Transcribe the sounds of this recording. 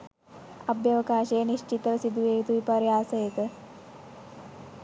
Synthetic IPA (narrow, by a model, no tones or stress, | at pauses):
əbjəʋkaɕeniɕt͡ɕit̪ɾsid̪ʱuet̪uipaɾjasəjet̪ə